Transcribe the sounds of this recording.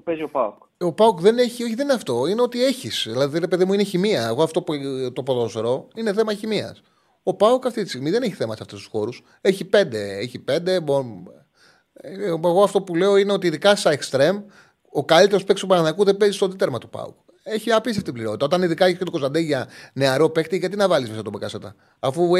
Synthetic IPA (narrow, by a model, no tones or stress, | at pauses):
peziopauk | o̞paukðe̞neçioçiðeneɐft̪o̞ineo̞t̪ie̞çisðilɐðiɾe̞peðimuine̞çimiɐeɣoɐft̪o̞pt̪opoðosɾo̞ine̞θe̞mɐçimiɐ̰s | o̞paukɐft̪it̪ist̪ɣmiðe̞neçi̥θemɐseɐft̪est̪usxo̞ɾus | e̞çipe̞nd̪e̞eçipe̞nd̪e̞bo | eɣo̞ɐft̪o̞pule̞o̞ineot̪iːðikɐsɐekst̪ɾe̞m | o̞kɐlit̪eɾospekst̪upɐnɐðɐkuðebezist̪od̪it̪eɾmɐt̪u̥pɐ̰ṵk | eçiɐɐpist̪eft̪ibliɾot̪it̪ɐot̪ɐniðikɐeçisket̪okosɐnd̪eʝɐne̞ɐɾo̞pext̪iʝɐt̪inɐvɐlizmesɐt̪obekɐsɐt̪ɐː | fu